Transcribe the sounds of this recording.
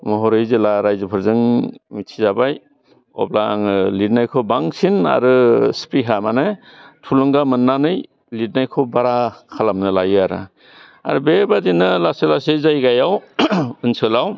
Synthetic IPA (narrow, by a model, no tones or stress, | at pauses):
mɔɦɔɾɯjzelaɾajzɯpʰɯɾzɯŋmitʰizabaj | ɔ̰b̚laŋɯlid̚najkʰobaŋsina̰ɾɯspɾiɦamanɯ | tʰulɔŋɡamɯnːanɯj | lid̚najkʰobaɾakʰalamnɯlajɯaɾɯ̰ | a̰ɾɯbebadinɯlaselasezajɡajawɯnsɯlaw